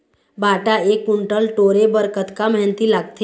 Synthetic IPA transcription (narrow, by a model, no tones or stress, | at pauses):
bʱaʈaekuɳʈəlʈoɾebəɾkət̪kamɛɦnət̪ilaɡt̪e